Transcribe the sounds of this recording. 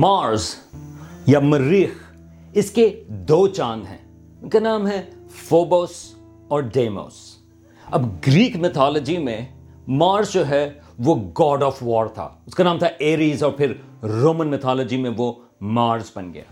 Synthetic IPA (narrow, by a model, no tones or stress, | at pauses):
maːɾz | jamɐɾiːx | ɪsked̪oːt͡ʃaːnɦɛ̰̃ː | ʊnkanãːmɦɛfoːboːs | ɔːɾɖeːmo̰ːs | ɐbɡɾiːkmɪt̪ʰɔːlɔd͡ʒimẽ | maːɾzd͡ʒoɦɛ | ʋoɡɔːɖɔːfʋɔːɾt̪ʰa̰ʊskanãːmt̪ʰaeːɾiːzɔːɾpʰɪɾɾoːmə̃nmɪt̪ʰɔːlɔd͡ʒimẽʋo | maːɾzbɐnɡɐ̰ja̰ː